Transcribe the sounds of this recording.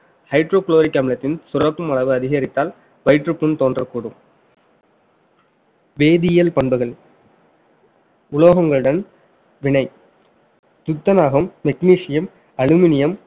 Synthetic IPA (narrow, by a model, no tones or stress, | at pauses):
hɐɪʈɾoːkloːɾɪkːɐːmɪlɐt̪ːɪnsʊrɐpːɯmɐɭɐʋɯɐðɪɣɐɾɪt̪ːaːl | ʋɐɪʈrɯpːɯnt̪oːndrɐkːuːɽɯm | ʋeːðijɐlpɐɳbɯɣɐɭ | ʊloːɣɐŋɡɐɭɯɽɐn | ʋɪɳɐɪ | t̪ʊt̪ːɐnaːɣɐmt̪ɛkniːʂɪjɐm | ɐɻɯmɪnɪjɐm